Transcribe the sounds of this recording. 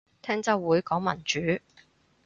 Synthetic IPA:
t̪ʰɛː˥ŋt͡sɐ˥wwuː˨˥jkɔː˨˥ŋmɐ̰˨˩nt͡ʃyː˨˥

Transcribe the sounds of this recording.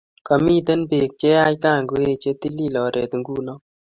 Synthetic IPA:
kɔ˨mi˦˨t̪ɛ˦nbe˨k̚t͡ʃe˦a˦jka˦˨ŋɡo˦e˦t͡ʃe˦t̪i˦li˦˨lɔ˨ɾʔe˨t̪ŋɡu˦nɔ˦

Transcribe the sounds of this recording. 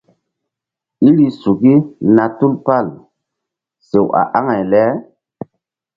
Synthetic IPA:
i˦li˦su˨ki˦na˨tu˦lpa˦˨l | se˨wa̰˨ʔa˦ŋa˨jlɛ˨˦

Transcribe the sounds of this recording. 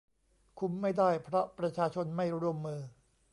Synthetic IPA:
kʰu˧˥mːa˥˩jda˥˩jpʰɾɔ˦˥pɾa˧t͡ɕʰaː˧t͡ɕʰo˧nma˥˩jɾu˥˩əmːɯː˧

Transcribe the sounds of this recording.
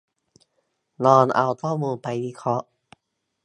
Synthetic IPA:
nɔː˧nʔa˧wt̪ʰɔː˥˩muː˧pa˧jwiː˦˥˩kʰɔ˦˥ʔ

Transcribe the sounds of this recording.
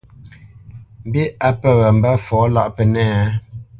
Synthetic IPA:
m̩˨bi˦a˦pə˦ɣə˨m̩˨ba˦fɔː˨˦la̰˦ʔpə˨nɛː˦˨˦

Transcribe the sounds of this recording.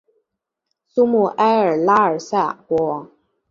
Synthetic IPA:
su˥mu˥˩ʔa˥ɪə˞˨˩la˥ə˞˨˩sa˥˩kwɔ˧˥˨

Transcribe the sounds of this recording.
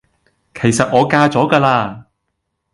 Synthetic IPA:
kʰe˨˩jsɐ˨t̚ŋɔː˨˧kaː˧t͡sɔː˨˥ɡaː˧laː˧

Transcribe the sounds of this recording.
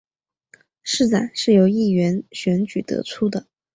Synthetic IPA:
ʂɻ̩˥˧t͡sa˨˩˦ɪʂɻ̩˥˩jo˧˥ʊi˥˩ɥɛ˧˥nɕɥɛ˧˥nt͡ɕy˨˩t̪ɤ̰˧˥t͡sʰu˥d̪ə˨

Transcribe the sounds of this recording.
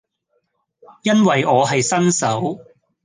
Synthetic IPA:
jɐ˥nwɐ˨jɔː˨˧ɦɐ˨jsɐ˥nsɐ˨˥w

